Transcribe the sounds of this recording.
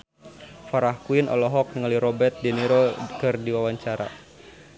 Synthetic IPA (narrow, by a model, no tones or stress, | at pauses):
faɾahkuinɔ̰lɔɦɔk̚nəŋaliɾɔbɛt̪̚diniɾɔkɨrdiwawaɲt͡ʃaɾa̰